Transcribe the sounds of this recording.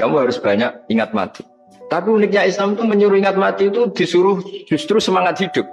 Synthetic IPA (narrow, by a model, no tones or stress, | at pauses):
kamuɦaɾʊsb̥aɲak̚iŋat̪̚ma̰t̪i̥ | t̪apiunɪk̚ɲaɪslamt̪uməɲuɾʊiŋat̪̚mat̪iːt̪ud̪̥isuɾʊhd͡ʒ̥ust̪ɾusəmaŋat̪̚hid̥ʊp̚